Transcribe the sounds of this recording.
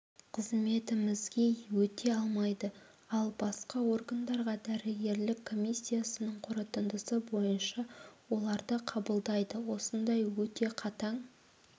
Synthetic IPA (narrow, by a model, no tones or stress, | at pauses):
qʰəzme̞t̪ɪmɪzɡʲe̞wɵt̪ʰe̞ɑlˠmɑjd̪ə | ɑlˠbɑsqɑwo̞rɡand̪ɑɾʁɑd̪æɾɪɡʲe̞ɾlɪkʰːo̞mʲisʲːijasənəɴqʰʊɾət̪ənd̪əsəbo̞jənʃɑwo̞lˠɑɾd̪əqʰɑbəlˠd̪ɑjd̪əwo̞sənd̪ɑjwɵt̪e̞qʰɑt̪ɑɴ